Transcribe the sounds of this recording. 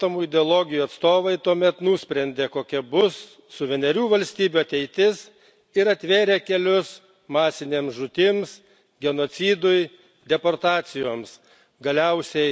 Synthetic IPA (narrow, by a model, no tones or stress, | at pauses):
t̪ɐmuːɪd̪ʲɛoːlˠoːɡʲɪjuːɐt̪st̪oːʋɐɪt̪uɔmʲɛt̪nuːsʲpʲɾʲɛnʲd̪ʲeːkoːkʲɛbʊsː | ʊʋʲɛnʲɛɾʲuːʋɐlʲsʲt̪ʲiːbʲuɐt̪ʲɛɪt̪ʲɪs | ɪɾɐt̪ʲʋʲeːɾʲeːkʲɛlʲʊs | mɑːsʲɪnʲeːmsʒʊt̪ʲɪms | ɡʲɛnoːt̪sʲiːd̪ʊjɪ | d̪ʲɛpoɾt̪ɑːt̪sʲɪjoːms | ɡɐlʲɛʊsʲɛɪ